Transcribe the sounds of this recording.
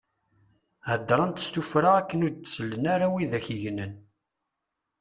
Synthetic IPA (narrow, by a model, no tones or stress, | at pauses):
hæd̪ːɾˤɑnt̪ə̥st̪ufɾaʁækːənʊɾd̪̚səlːənaɾawiðæçiʝnən